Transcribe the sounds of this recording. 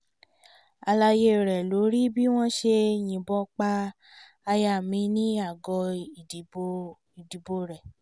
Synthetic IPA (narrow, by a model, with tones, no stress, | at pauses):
a˧la˧je˦˨ɾɛ˨lo˨˦ɾi˦bi˦w̃ɔ̃˦ʃe˧j̃ĩ˨bɔ˧˦k͡pa˧ | a˧ja˧˨mĩ˧˦nĩ˦a˦˨ɡɔ˧i˨i˨o˧ | i˨di˨bo˧ɾɛ˨